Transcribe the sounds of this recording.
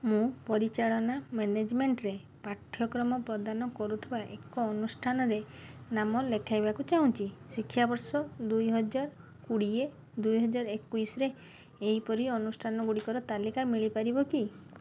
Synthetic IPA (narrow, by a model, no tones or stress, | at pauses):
mũpɔɾit͡ʃaɭɔnamened͡ʒmeɳʈɾe | paʈʰːjɔkɾɔmɔpɾɔd̪anɔkɔɾut̪ʰibaʔekɔːnusʈʰanɔɾenamɔlekʰajbakut͡ʃaũt͡ʃisikʰːjabɔɾsɔd̪ujɦɔd͡ʒaɾ | kuɽie | d̪ujɦɔd͡ʒaɾɔekujsɔɾeː | ɦipɔɾiɔnusʈʰanɔɡuɽikɔɾɔt̪alikamiɭipaɾibɔki